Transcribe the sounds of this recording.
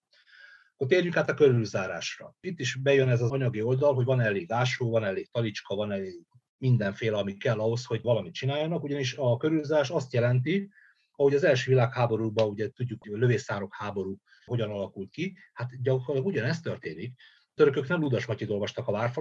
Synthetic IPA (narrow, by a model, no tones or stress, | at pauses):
kot̪eːrjyŋkaːt̪ɒkøɾylzaːɾa̰ːʃrɒ̰it̪ːiʃbɛjønɛzɒɒɲɒɡio̞ld̪ɒlɦo̞ɟvɒnɛleːɡaːʃoːvɒnɛleːɡ̚t̪ɒlit͡ʃkɒvɒnɛleːɡ | mind̪ɛɱfeːlɛɒmikɛlːɒɦo̞sho̞ɟvɒlɒmit̪̚t͡ʃinaːjɒnɒkuɟɒniʃɒkøɾylzaːɾaːʃɒst̪jɛlɛnt̪i | ɒho̞ɟɒzɛlʃøːvilaːkhaːbo̞ɾuɡ̚bɒuɟɛt̪uɟːukhløveːsaːɾo̞khaːbo̞ɾu | ho̞ɟɒnɒlɒkult̪ki | hat̪ɟɒkorlɒɡuɟɒnɛst̪ørt̪eːnik | t̪øɾøkøknɛmud̪ɒʃmɒcːit̪o̞lvɒʃt̪ɒkɒvaːrf